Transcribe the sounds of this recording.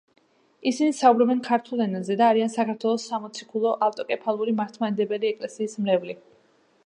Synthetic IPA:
isinisaubɾɔbɛnkʰaɾt̪ʰulˠɛnazɛd̪aːɾiansakʰaɾt̪ʰwɛlˠɔsːamɔt̪sʰikʰulˠɔʔalt̪ʼɔkʼɛpʰalˠuɾimaɾt̪ʰmanɛd̪ɛbɛliɛkʼlɛsiːsmlɛvli

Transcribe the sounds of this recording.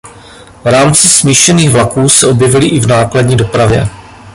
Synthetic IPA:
vɾaːmt͡sɪsmiːʃɛniːɣvlakuːsɛʔo̞bjɛvɪlɪʔɪvnaːkladɲiːdo̞pɾavjɛ̰

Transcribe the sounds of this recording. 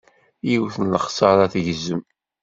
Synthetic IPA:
jiwθənləχsəɾˤæθʝəzːəm

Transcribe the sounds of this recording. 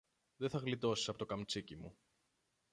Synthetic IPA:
ðeθɐɣlit̪o̞si̥sɐpot̪o̞kɐmt͡sicimṵ

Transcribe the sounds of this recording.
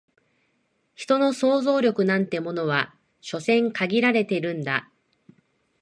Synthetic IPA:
çi̥t̪o̞no̞so̞ːzo̞ːɾʲo̞kɯ̟nãnt̪e̞mo̞no̞β̞a | ɕo̞sẽ̞ŋkaɡʲiɾaɾe̞t̪e̞ɾɯ̟̃nd̪a

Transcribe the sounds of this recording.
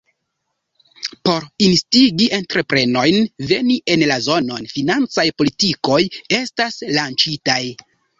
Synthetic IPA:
po̞ɾinstiɡiʔe̞ntɾe̞pɾe̞no̞jnve̞niʔe̞nlazo̞no̞nfinant͡sajpo̞litiko̞je̞staslant͡ʃitaj

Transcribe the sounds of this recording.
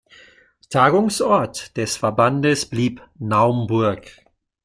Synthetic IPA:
tʰaːɡʊŋsʔɔɐtd̥ɛsfɛɐbandəsb̥liːpnaʊmbʊɐk

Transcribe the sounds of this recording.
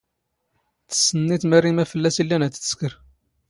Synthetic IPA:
θə̥sːənːit̪mærːimæfəlːæsilːænæt̪ːə̥skəɾ

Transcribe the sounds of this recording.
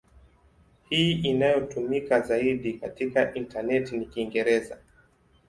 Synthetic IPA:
hiːinajɔtumikazaiɗikatikaʔintanɛtinikiŋɡɛɾɛza

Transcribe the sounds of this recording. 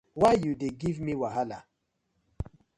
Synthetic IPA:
wajjudeɡivmiwaɦala̰

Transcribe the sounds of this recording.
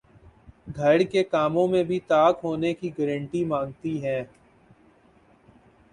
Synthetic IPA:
ɡʱɐɽkekaːmõmẽbʱit̪aːkɦoːnekiɡɛːɾə̃ɳʈimãːŋɡt̪iɦɛ̃ː

